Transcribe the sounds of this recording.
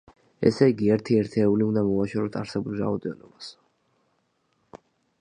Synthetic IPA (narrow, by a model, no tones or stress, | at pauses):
ɛ̰sɛiɡiɛɾt̪ʰiɛɾt̪ʰɛːuliund̪amɔvaʃɛɾɔt̪ʰaɾsɛbulˠɾa̰ɔd̪ɛnɔbas